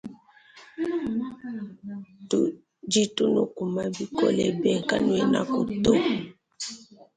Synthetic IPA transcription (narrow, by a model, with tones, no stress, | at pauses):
tu | d͡ʒi˦tu˦no˨ku˨ma˦bi˦ko˦lɛ˨bɛ˦˨ŋ˨ka˦nu˦ɛ˨na̰˦ko˨to˦˨